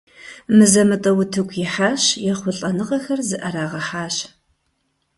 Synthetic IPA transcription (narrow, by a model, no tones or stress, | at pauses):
mɨzɐmɨtʼɐwʊtʰɨkʷʰjɪħaːɕjɛχʷʊɬʼɐnɨʁɐxɐrzɨʔɐɾaːʁɐħaːɕ